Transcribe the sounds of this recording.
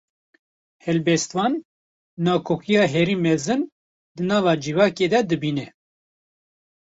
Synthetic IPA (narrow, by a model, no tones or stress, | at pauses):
hɛlbɛst̪wɑːnː | ɑːkʰoːkʰijɑːɦɛɾiːmɛzɨn | d̪ɨnɑːvɑːd͡ʒivɑːkeːd̪ɛd̪ɨbiːnɛ